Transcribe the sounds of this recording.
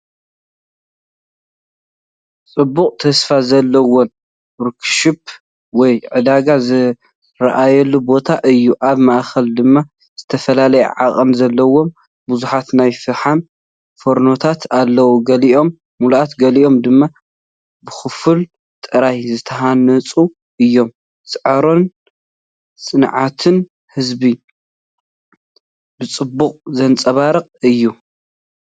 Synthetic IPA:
t͡sʼɨbːuqʼt̪ʰɐsfazɐlːɐwon | ɾkʰʃɨp̚ | wɔjʕɨd̪aɡazɨ | ɾɐ̰ʔajɛlːubo̞t̪ʰaʔɨjːuʔaβmaʔxɐld̪ɨmːa | z̥ɨt̪ʰɐfɐlalɐjɛ̰ʕaχʼɨnzɐlːɐwo̞m | buzuħat̪najfɨɾħan | foɾno̞t̪ʰat̪ʰalːɐwuɡɐliʔo̞mː | ulʔat̪ɡɐliʔo̞md̪ɨmːa | bɨxɨfɨl | t̪ʼɨɾajzɨt̪ʰɐɦanɐt͡sʼu | ɨjːo̞m | sʼɨʕɐɾo̞n | sʼɨnʕat̪ʰɨn | hɨzbi | bɨt͡sʼɨbːuqʼzɐnt͡sʼɐβaɾɨqʼɨjːu

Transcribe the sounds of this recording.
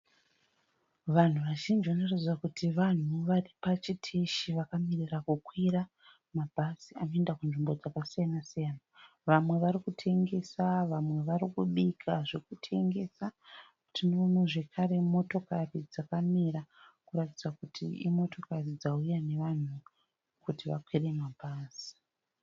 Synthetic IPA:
ʋan̤uʋaʒind͡ʒiʋanorid͡zzwakutʰiʋan̤uʋaripat͡ʃitʰiʃiʋakamirirakukwira | mabʱasiano̞endakunʐimbo̞d͡zakasijanasijana | ʋamwe̞ʋaɾikutʰe̞ŋɡe̞saʋamwe̞ʋaɾikuɓikʰaʐekutʰe̞ŋɡe̞sakutinomweʐe̞kʰaɾe̞mo̞to̞karid͡zakamiɾakuɾatid͡zakutʰḭḭmo̞to̞karid͡zaujane̞ʋan̤u | kutiʋakwire̞mabʱaːsi̥

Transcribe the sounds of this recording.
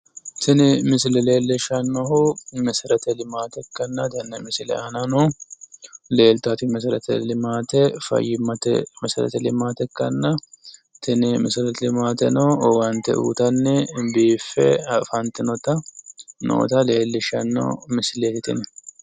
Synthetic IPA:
t̪ʰɪnɪmɪsɪlɛle̞ːlːɪʃɐnːɔɦʊmɛsɪɾɐt̪ɛlɪmaːt̪ɛkːɐnːɐt̪ɐnːɛmɪsɪlɛ̰ɐnɐnɔh | le̞ːlt̪at̪ɪmɛsɾɐt̪ɛ̰lɪmaːt̪ɛfɐ̰jːɪmɐt̪ɛ̰mɛsɾɐ̰t̪ɛlɪmaːt̪ɛkːɐnːɐ | t̪ʰɪnɪmɪsɾɐt̪ɛlɪmaːt̪ɛnɔwɐnt̪ːɛ̰ʔṵːt̪ɐnːɛbiːfːɛfɐnt̪ɪnɔt̪ɐno̰ːt̪ɐle̞ːlːɪʃɐnːɐ̰mɪsleːt̪ɪt̪ɪ̰n

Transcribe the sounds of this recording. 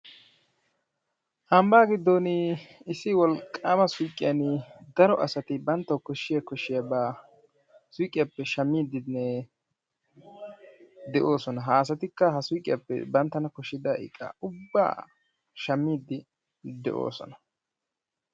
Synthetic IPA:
ʔɐmbaːɡɪd̪ːonɪɪsɪwɔlkʼːaːmɐsʊjkʼːɪjɐnd̪ɐɾɔʔɐsɐt̪ɪbɐnt̪ːɐwkɔʃːɪjɐkɔʃːɪjɐbaː | sʊjkʼːɪjɐpːɛʃɐmːiːd̪ɪnːɛ | d̪ɛʔo̞ːsɔnɐɦaːs̬ɐt̪ɪkːɐɦɐsʊjkʼɪjɐpːɛ̰bɐnt̪ːɐnɐkɔʃːɪd̪ɐɪ̰kʼːa̰ʊbːa̰ː | ʃɐmːiːd̪ɪ | d̪ɛ̰ʔo̞̰ːsɔ̰nɐ

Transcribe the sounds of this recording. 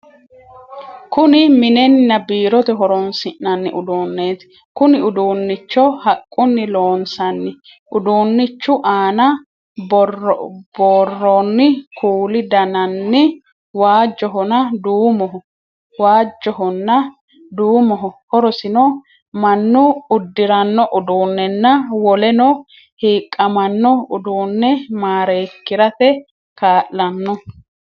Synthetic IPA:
kʊnɪmɪnɛnnɐbiːɾɔt̪ɛɦɔɾɔnsɪʔɐnːɪʔʊd̪oːnːeːt̪ɪ̥ | kʊnɪʊd̪uːnːɪt͡ʃːɔhɐkʼːʊnːɪloːnsɐnːɪ | ʔʊd̪uːnːɪt͡ʃːʊʔaːnɐ | bɔrbɔrːɔnːɪkʰuːlɪd̪ɐnɐnːɪ | waːd͡ʒːɔɦɔnɐd̪uːmɔɦɔ | waːd͡ʒːɔɦɔnːɐ | d̪uːmɔɦɔhɔɾɔsɪnɔ | mɐnːʊʊd̪ːɪɾɐnːɔʔʊd̪uːnːɛnːɐwɔlɛnɔ | hiːkʼːɐmɐnːɔʊd̪uːnːɛmaːɾeːkːɪɾɐt̪ɛ | kaːʔːɐnːɔ

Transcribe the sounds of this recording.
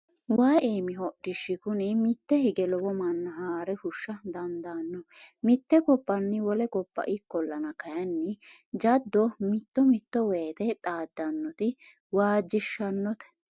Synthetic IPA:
waːʔeːmɪɦɔɗɪʃːɪkʊnɛmɪt̪ːɛhɪɡɛlɔwɔmɐnːɐɦaːɾɛhʊʃːɐd̪ɐnd̪aːnːɔmɪt̪ːɛkɔpːɐnːɪwɔlɛkɔpːɐ̰ʔɪkːɔlːɐnɐkɐjɐnːɪd͡ʒɐd̪ːɔmɪt̪ːɔmɪt̪ːɔweːt̪ɛt̪ʼaːd̪ːɐnːɔt̪ɪ | waːd͡ʒːɪʃːɐnːɔt̪ɛ̥

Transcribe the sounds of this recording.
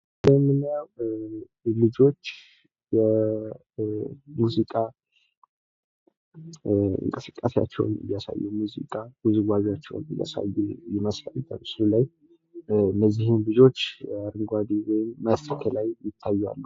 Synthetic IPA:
bəmːɨnjaw | lɨd͡ʒo̞t͡ʃː | jɛ | muzikʼa | ɨ̰ŋkʼəsɨ̥kʼːasa̰t͡ʃːɛ̰w̰n̰bjasa̰jːumuzḭkʼaɡuzɨɡʷazjat͡ʃːɛ̰wnɨja̰sa̰jːujɛməslalt̪ʰʼəmɨslulaj | bəzːihɪnlɨd͡ʒo̞t͡ʃːaɾɨŋɡʷad̪iwɔjɪmːəskʰəlajːɪt̪ʰːajːa̰lːə

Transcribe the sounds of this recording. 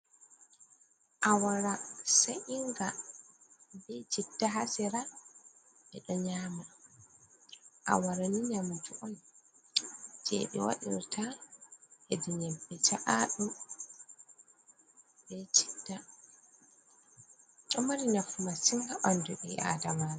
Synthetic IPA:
ʔawaɾasaʔiŋɡa | bɛt͡ʃitːaɦasɛɾa | ɛɗɔɲama | ʔa̰waɾaniɲamud͡ʒuʔɔn | d͡ʒɛ̰ɗɛ̰wa̰ɗḭɾtʰa | ɛdiɲɛbːɛt͡ʃaʔaɗum | bɛt͡ʃi̥dːa | ɗɔmaɾinafumasiŋɡaɓanduɗɛa̰damana

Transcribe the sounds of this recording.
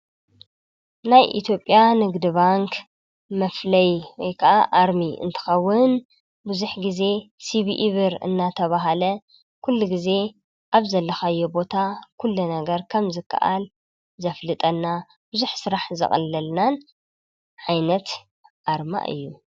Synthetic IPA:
najʔḭt̪ʰjo̞pʼːjanɨɡd̪iβaŋk | mɐflɐjwɔjkʰɐʔaʔaɾmiʔɨ̰nt̪ʰɨ̥xɐwːʊn | bɨzuħɡize̞siβiʔiβɨɾɨ̰nːat̪ʰɐβaɦalɐ | kʰulːuɡize̞ | ʔaβzɐlːɐxajːobo̞t̪ʰakʰulːunɐɡɐɾkʰɐmzɨkʰːɐ̰ʔal | zɐflɨt̪ʼɐnːa | b̥ɨzuħsɨɾaħzɐ̰xʼɐ̰lːɐlnan | ʕajnɐt̪ | ʔaɾma̰ʔɨ̰jːu

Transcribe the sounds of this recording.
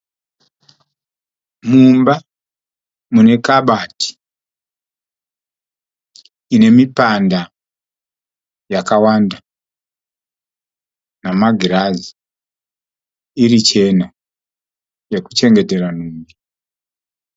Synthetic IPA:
mumba | mune̞kaɓati̥ | ine̞mipanda | jakawanda | namaɡʱiɾazi̥ | irit͡ʃe̞na | je̞kut͡ʃe̞ŋɡe̞te̞ɾanuːŋɡi

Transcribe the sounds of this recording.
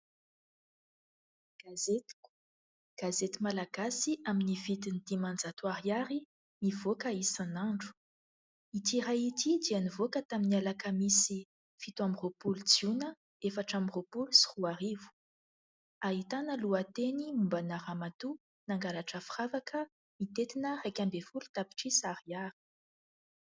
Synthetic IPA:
ɡ̥azet̪i̥ku̥ | ɡ̥azet̪imalaɡasiʔaminivit̪inid̪̥imand͡zat̪waɾiaɾi | mivokəisanaɳɖ͡ʐu̥ | it̪iɾait̪ʰid̪ianivokət̪aminialakəmisi | fit̪uamropulud͡zunə | efaʈ͡ʂamiropulusi̥ruaɾivu̥ | aɦit̪anəluat̪enimumbanaɾamat̪u | naŋɡalaʈ͡ʂəfiravakʰə | mit̪et̪inərajkʲambefulut̪api̥ʈ͡ʂisariaɾi̥

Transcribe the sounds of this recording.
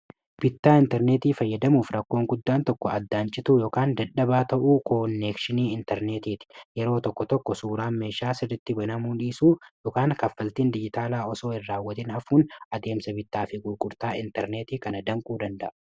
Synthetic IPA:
b̥ɪt̪ːaːɪnt̪ɛɾne̞ːt̪iːfɐjːɐd̪ɐmuːfɾɐkːo̞ːŋɡʊd̪ːaːnt̪ɔkːɔɐd̪ːaːnt͡ʃʼɪt̪uːjo̞ːkaːnd̪ɐᶑɐbaːt̪ɐʔuːkʰoːnːeːkʃɪniːɪnt̪ɛɾneːt̪iːt̪ɪ̥jɛɾo̞ːt̪ɔkːɔt̪ɔkːɔsuːɾaːnme̞ːʃaːsɪd̪ɪt̪ːɪbɐnɐmuːᶑiːsuːjoːkaːŋkɐfːɐlt̪iːnd̪ɪd͡ʒɪt̪aːlaːɔso̞ːɪrːaːwːɐt̪ɪnɐfuːnʔɐd̪e̞ːmsɐbɪt̪ːaːfɪɡʼʊɾkʼʊɾt̪aːɪnt̪ɛɾne̞ːt̪iːkɐnɐd̪ɐŋkʼuːd̪ɐnd̪ɐ̰ʔɐ̥

